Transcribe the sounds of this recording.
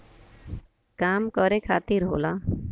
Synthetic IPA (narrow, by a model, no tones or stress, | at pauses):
kaːmkɔɾekʰa̰ːt̪iɾɦo̰ːla